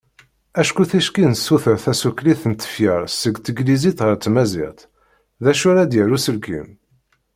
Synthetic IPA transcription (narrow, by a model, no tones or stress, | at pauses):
æʃkuθæʃkinəsːuθəɾθæsukliθənt̪ːə̥fjəɾˤsəɡt̪əɡlizit̪ʁəɾt͡s̪ːmæzɪ̰ʁt̪ | ðæʃʊɾæd̪jəɾusəlkḭm